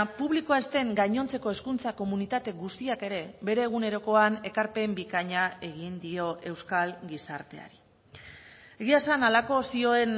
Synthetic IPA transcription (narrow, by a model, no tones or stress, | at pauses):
puβlikoaest̪e̞ŋɡajɲo̞nt͡se̞ko̞e̞skunt͡sako̞munit̪at̪e̞ɡust̪iake̞ɾe̞be̞ɾe̞ːɣ̞une̞ɾo̞ko̞ane̞kaɾpe̞mbikaɲae̞ɣ̞ind̪io̞ʔe̞wskalɡisaɾt̪e̞a̰ɾi | e̞ɣiasanalako̞sio̞e̞n